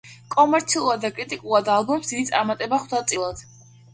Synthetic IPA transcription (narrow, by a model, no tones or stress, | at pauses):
kʼɔmɛɾt̪sʰiuuad̪d̪akʼɾit̪ʼikʼulˠad̪alˠbɔmsd̪id̪it̪sʼa̰ɾmat̪ʼɛbaχd̪at̪sʼilˠad̪̥